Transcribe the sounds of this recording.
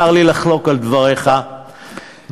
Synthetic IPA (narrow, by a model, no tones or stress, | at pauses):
aʁlilaχlo̞kald̪vaʁe̞χa